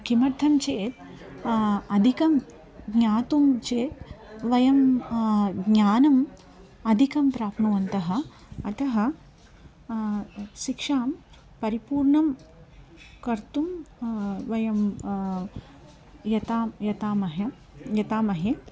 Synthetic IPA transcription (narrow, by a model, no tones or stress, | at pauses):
kimɐɾt̪ʰːɐmt͡ʃeːt̪ | ɐd̪ʱikɐm | ɡɲaːt̪umt͡ʃeːt̪ʋɐjɐm | ɡɲaːnɐm | ɐd̪ʱikɐmpɾaːpʰnuʋɐnt̪ɐɦɐ̆ | ɐt̪ɐɦɐ̆ | ʃikʂaːm | pɐɾipuːɾɳɐm | kɐɾt̪um | ʋɐjɐm | jɐt̪aːmjɐt̪aːmɐɦɐ | jɐt̪aːmɐɦe